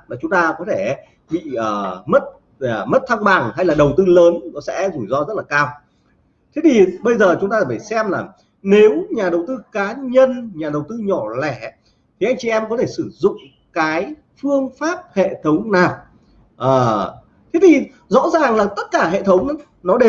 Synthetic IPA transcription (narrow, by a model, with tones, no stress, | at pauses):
laː˨˩t͡ɕʊ˨˦ŋ͡mt̪aː˧kɔ˨˦t̪ʰe˧˩˦ | ɓḭ˧˨əː˨˩mə˦˥t̚ | əː˨˩mə˦˥t̚t̪ʰa˧ŋɓa˨˩ŋha˧jlaː˨˩ɗə˨˩wt̪ɨ˧ləː˨˦nnɔ˨˦sɛ̰˧˥zu˧˩jzɔ˧zə˦˥t̚laː˨˩kaː˧w | t̪ʰe˨˦t̪ʰi˨˩ɓə˧jzəː˨˩t͡ɕʊ˨˦ŋ͡mt̪aː˧˩faː˧˩jsɛ˧mlaː˨˩ | ne˨˦wɲaː˨˩ɗə˨˩wt̪ɨ˧kaː˨˦ɲə˧nɲaː˨˩ɗə˨˩wt̪ɨ˧ɲɔ˧˩lɛ˧˩ | t̪ʰi˨˩ʔa˧jŋ̟t͡ɕi˨ʔɛ˧mkɔ˨˦t̪ʰe˧˩sɨ˧˩zʊ̰˧˨ŋ͡m | kaː˨˦j | fɨ˧əŋfaː˦˥p̚hḛ˧˨t̪ʰə˨˦wŋ͡mnaː˨˩w | ʔəː˨˩ | t̪ʰe˨˦t̪ʰi˨˩ | zɔ̰˧˥zaː˨˩ŋlaː˨˩t̪ə˦˥t̚kaː˧˩ɦḛ˧˨t̪ʰə˨˦wŋ͡m | nɔ˨˦ɗe˧˦